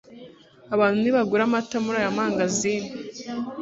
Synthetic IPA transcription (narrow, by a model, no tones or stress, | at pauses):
aβaːnhuniβaɡuɾamatamuɾajamaːŋɡazini